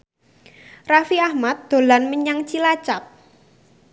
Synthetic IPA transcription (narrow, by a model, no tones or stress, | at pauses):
rafiahmat̪̚d̪̥o̤lanməɲaŋt͡ʃilat͡ʃap̚